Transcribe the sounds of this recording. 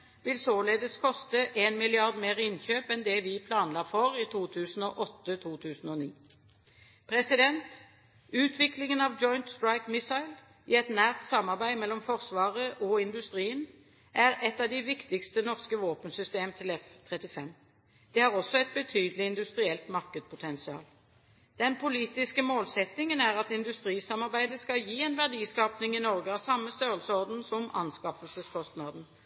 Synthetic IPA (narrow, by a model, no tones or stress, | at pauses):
ʋɪlsoːleːd̪əskʰɔst̪əʔeːnmɪlɪɑʁd̪meːʁɪnçøːpɛnd̪ɛʋɪpʰlɑːnlɑːfɔʁiːt̪ʰuːt̪ʰʉːsn̩ɔʔɔt̪ːət̪ʰuːt̪ʰʉːsn̩ɔnḭː | pʰʁɛsɪd̪ɛnt̪ | ʉːt̪ʰʋɪklɪŋənɑʋd͡ʒɔʏnt̪st̪ɹaɪkmɪsɑɪl | ɪɛt̪næːʁt̪sɑmːɑʁbæɪmɛlːɔmfɔʁsʋɑːʁəʔɔɪnd̪ʉst̪ʁiːən | ʔæʁɛt̪ːɑʋd̪ɪʋɪkt̪ɪkst̪ənɔʁskəʋoːpənsʏst̪eːmt̪ʰɪlɛft̪ʰʁɛt̪ɪfɛm | d̪̥ɛhɑʁɔsːɔɛt̪̚bət̪ʰyːd̪əlɪɪnd̪ʉst̪ʁɪɛlt̪mɑʁkəd̪̚pʰʊt̪ʰɛnsɪɑ̰ːl | d̪̥ɛnpʰʊliːt̪ɪskəmoːlsɛt̪ɪŋənæːʁɑt̪ɪnd̪ʉst̪ʁiːsɑmɑʁbæɪd̪əskɑljiːɛnʋæʁd̪iːskɑːpnɪŋɪnɔʁɡəɑsɑmːəst̪øːʁəlsəɔʁd̪n̩sɔmɑ̰nskɑfəlsəskʰɔst̪nɑd̪n̩